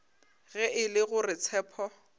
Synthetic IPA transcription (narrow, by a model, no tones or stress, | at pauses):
ɣɛʔɪlɪɣʊrɪt͡sʰɛːpʰɔ